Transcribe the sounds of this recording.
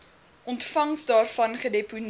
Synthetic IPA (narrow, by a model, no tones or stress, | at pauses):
ʔɔntfɐŋsdɑːrfɐnχədɛpun